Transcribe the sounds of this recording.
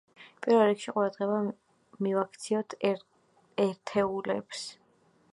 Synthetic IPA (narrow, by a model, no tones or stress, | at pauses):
pʼiɾvɛlˠɾikʃiqʼuɾad̪ʁɛba | mivakʰt̪sʰiɔt̪ʰ | ɛɾt̪ʰɛulɛ̰ps